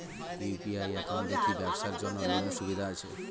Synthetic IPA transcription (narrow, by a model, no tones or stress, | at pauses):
pipiajɛkond̪ekʰibɛbʃaɾd͡ʒonːobinːoʃubid̪ʱaat͡ɕʰḛ